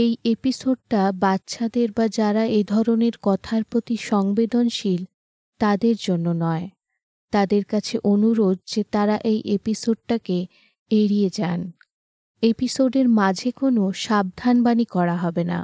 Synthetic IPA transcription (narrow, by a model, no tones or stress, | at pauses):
ejepisoɖ̚ʈabat̪ːʃʰad̪eɾbad͡ʑaɾaed̪ʱɔɾoneɾkɔt̪ʰaɾpɾot̪iʃɔŋbed̪onʃil | t̪ad̪eɾd͡ʑonːonɔe | t̪ad̪eɾkat͡ɕʰeʔonuɾod̪̚d͡ʑet̪aɾaʔejʔepisoɖ̚ʈake | eɾijed͡ʑan | episoɖeɾmad͡ʑʱekonoʃab̚d̪ʱanbanikɔɾaɦɔbena̰